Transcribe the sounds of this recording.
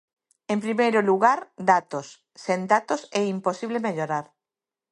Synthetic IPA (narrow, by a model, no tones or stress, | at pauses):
empɾimejɾʊluɣaɾd̪at̪osː | end̪at̪osɛimposiβlemeʎoɾaɾ